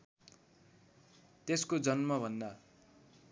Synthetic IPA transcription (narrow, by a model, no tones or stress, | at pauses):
t̪eskod͡zʌnmʌbʱʌnd̪a